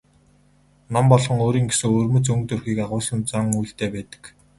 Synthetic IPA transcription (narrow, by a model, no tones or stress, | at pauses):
nɔmpɔɮʁɞ̆ŋoːɾiːŋɡesɘ̆ŋoːrmɵ̆t͡sɵŋk̚t̪ɵrxiːkaʁʊːsə̆nt͡saŋujɬt̪eːpæːt̪ə̥̆k